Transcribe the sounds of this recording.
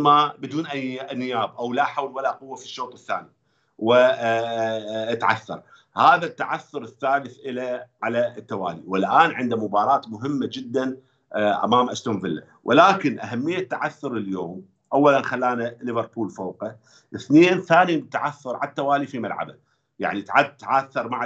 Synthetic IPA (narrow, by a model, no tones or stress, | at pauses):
mabɪd̪uːnʔajːnːɪjaːbʔawlaħawlwalaʔqʊwːafi̥ʃːoːt̪ˤɨθːa̰ːni | wɪ | t̪ʕa̰θːɑ̰ɾˤ | haːðat̪ːaʕaθːʊɾɪθːaːlɪθʔɪlaʕalaɪt̪ːawaːliwɪlʔaːnʕɪnd̪amʊbɑːɾˤɑːt̪mʊɦɪmːad͡ʒɪd̪ːan | ʔa̰maːmʔaʃt̪amvɪlːa̰ | wʔɪlaːkɪnʔaɦamːɪjːat̪ːaʕaθːʊɾɪljoːm | ʔawːalanxalːaːnalɪvɨɾˤpuːlfoːqa | ʔɪθneːnθaːnit̪ːaʕaθːʊɾˤʕa̰lat̪ːawaːlifimalʕa̰ba | ja̰ʕnit̪aʕad̪̚t̪ːaʕaθːɑɾˤmaʕ